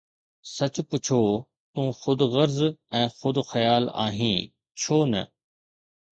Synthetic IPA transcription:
sɐt͡ɕʊpʊt͡ɕʰoː | t̪ũːxʊd̪ɣɐɾzɛ̃ːxʊd̪xɐjaːla̰ːɦĩː | t͡ɕʰoːnɐ̰

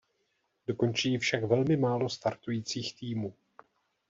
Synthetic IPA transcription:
do̞ko̞nt͡ʃiːfʃakvɛlmɪmaːlo̞st̪aɾt̪ujiːt͡siːxt̪iːmuː

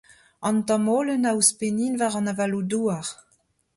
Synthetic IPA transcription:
ɑntɑmoːlənawspeniːnvaːʁɑnavaluduəʁ

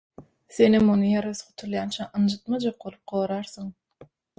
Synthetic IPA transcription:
sθenimːonɯjeɾɑsχʰot̪ʰulˠjɑnt͡ʃʰɑʔɯnd͡ʒɯt̪mɑd͡ʒɑq̚bo̞lˠup̚qoːɾɑɾsoŋ

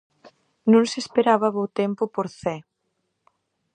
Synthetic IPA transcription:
nũŋsespeɾaβɐβot̪ɛmpʊpoɾθɛ

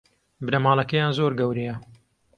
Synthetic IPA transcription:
bɨnɐmɑːlˠɐkɐjaːnzoɾɡɐwɾejɐ

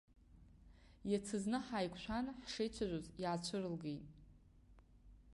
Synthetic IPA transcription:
jat͡sʰɨznɨħajkʷʰʼʃʷʰanħʂejt͡ɕʷʰaʒʷozjaːt͡ɕʷʰɨrɨlɡejtʼ

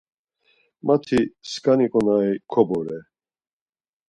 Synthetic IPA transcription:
mat̪ʰiskʼanikʼɔnaikʰɔbɔɾɛ

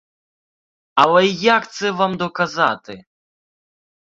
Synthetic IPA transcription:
ɐlˠɛjakt̪sɛvamd̪ɔkaza̰t̪ɪ

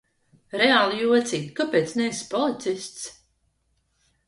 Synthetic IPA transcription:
ɾɛaːlˠijuɔt̪siːd̪kapeːt̪snɛspɔlˠit̪sist̪s

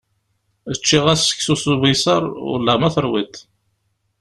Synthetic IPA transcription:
ət͡ʃːiʁæsːə̥ksusuvisɑɾˤʊ̰lːæmæθəɾˤwit̪

